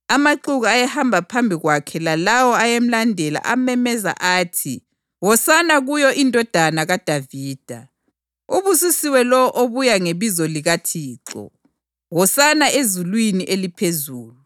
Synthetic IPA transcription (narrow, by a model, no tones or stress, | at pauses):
amaǃuɣaajɛhambʱapʰambʱiɣwakʰɛlalawɔajem̩landʱɛla̰ʔamɛmɛza̰ʔaːtʰḭ | wɔsanaɣujɔʔindʱɔd̥ʱanaɣad̥ʱaviːd̥ʱa | uβusisiwɛlɔwɔʔoβujaŋeβizɔliɣatʰiːǁɔ̰ | wɔsanaezulwiniʔelipʰezuːluu